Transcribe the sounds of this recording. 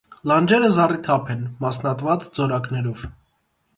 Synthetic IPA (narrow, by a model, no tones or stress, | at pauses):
lɑnd͡ʒɛɾəzɑrit̪ʰɑpʰɛnmɑsnɑt̪vɑt͡sd͡zɔɾɑknɛɾɔv